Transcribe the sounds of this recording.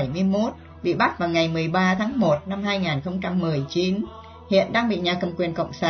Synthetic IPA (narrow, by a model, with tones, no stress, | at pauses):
jmɨ˧əjmo˦˥t̚ | ɓḭ˧˨ɓa˦˥t̚vaː˨˩wŋa˨˩jmɨ˨˩əjɓaː˧t̪ʰaː˨˦ŋmo˨˩t̚na˧mhaː˧jŋaː˨˩nxə˧wŋ͡mt͡ɕa˧mːɨ˨˩əjt͡ɕi˨˦n | hḭ˧˨ənɗaː˧ŋɓḭ˧˨ɲaː˨˩kə˨˩mŋ͡mkwi˨˩ənkə̰˧˨wŋ͡msaː˧